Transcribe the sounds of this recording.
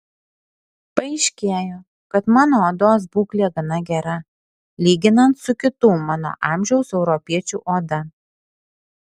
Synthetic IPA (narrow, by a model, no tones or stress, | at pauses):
pɐɛɪʃʲkʲeːjoː | kɐt̪mɑːnoːoːd̪oːs̬buːklʲeːɡɐnɐɡʲɛɾɐ | lʲiːɡʲɪnɐnt̪sʊkʲɪt̪uːmɑːno̰ːʔɑːmʲʒʲɛʊsɛʊɾɔpʲiɛt͡ʃʲuːʔoːd̪ɐ